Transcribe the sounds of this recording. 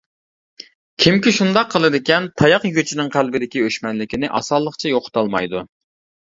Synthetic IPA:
kʲʰimkʲiʃund̪ɑqʰːəlˠɨd̪ɪkʲɛnt̪ʰɑjɑqjyɡʲyt͡ʃʰinɪŋqʰælbɪd̪ɪkʲiøʃmɛnlɪkʲinɪʔɑ̰sɑlˠːəqt͡ʃʰɑjoqʰʊ̥t̪ɑlˠmɑ̰jd̪u

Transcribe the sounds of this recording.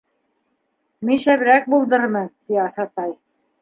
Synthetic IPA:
minʃæβɘ̆ɾæk̚bulˠd̪ɤɾmɤt̪iɑsɑt̪ɑj

